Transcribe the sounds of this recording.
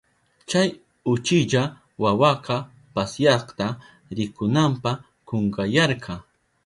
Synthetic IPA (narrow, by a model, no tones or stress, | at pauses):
t͡ʃaj | ʊt͡ʃɪʎa | wawɑqɑ | pasjɑqt̪a | ɾɪkʊnampa | qoŋɡajɑɾqʰɑ